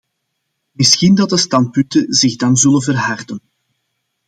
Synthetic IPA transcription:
mɪsxindɑt̚dəstɑnt̚pʏntəzɪɣdɑnzɵlənvərɦɑrdən

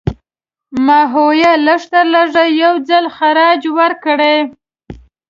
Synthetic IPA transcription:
maɦojaləʂt̪əɾlaʐajawd͡zalxaɾɑd͡ʒwəɾkɽe

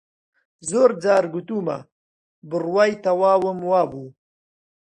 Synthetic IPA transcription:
zoːɾd͡zaːɾɡut̪uːmɐ̰ | bɨɾwaːjt̪ɐwaːwəmwaːbuː

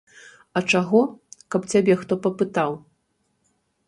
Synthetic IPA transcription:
ɐt͡ʂaɣɔkɐpt͡sʲabʲɛxt̪ɔpɐpɨt̪aw

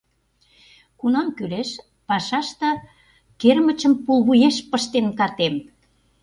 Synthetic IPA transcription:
kunɑmkyleʃ | pɑʃɑʃt̪ə̆ | kermə̆t͡ɕə̆mpulβujeʃpə̆ʃt̪enkɑrt̪em

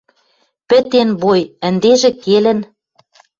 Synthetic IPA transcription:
pɘ̆t̪enβojɘ̆nd̪eʒĕkelɘ̆n

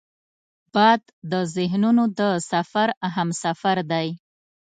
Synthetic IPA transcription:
b̥ɑd̪d̪əzɪɦnunod̪əsafaɾaɦamsafaɾd̪aj

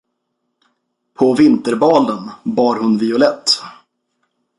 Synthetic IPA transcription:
pʰɔvɪnt̪əɾbɑːlənbɑːɾhɵnvɪʊlɛt̪ː

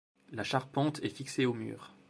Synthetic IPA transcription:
laʃaʁpɑ̃t̪ɛfikseomy̰ːʁ

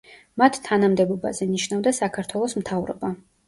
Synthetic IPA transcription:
mat̪ʰt̪ʰːanamd̪ɛbɔba̰zɛniʃnavd̪asakʰaɾt̪ʰwɛlˠɔsmt̪ʰavɾɔ̰ba

